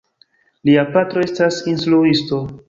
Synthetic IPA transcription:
liapatɾo̞e̞stasinsluisto̞

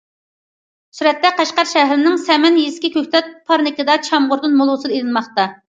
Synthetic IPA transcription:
syɾɛt̪ːɛqɑʃqɑɾʃɛɦɾɪnɪŋsɛmɛnjiskʲikʲʰøkʲt̪ʰɛt̪̚pʰɑɾnɪkɪd̪ɑt͡ʃʰɑmʁʊɾd̪ɨnmolˠʊwsɨd̪elɨnmɑχt̪ɑ

